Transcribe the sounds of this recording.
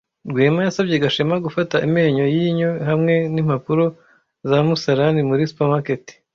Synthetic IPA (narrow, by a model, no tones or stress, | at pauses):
ɾɡweːmajasabɟe̞ɡaʃemaɡufataʔimeːɲo̞jiɲo̞ɦamŋe̞nim̥apuɾo̞ | zamusaɾanimuɾisu̥pamaketi̥